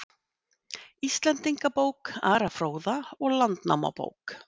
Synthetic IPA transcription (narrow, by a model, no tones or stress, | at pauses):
ist̪lɛnt̪iŋkapoːwkaːɾafɾoːwðaɔɣlant̪na̰wma̰po̰ːwk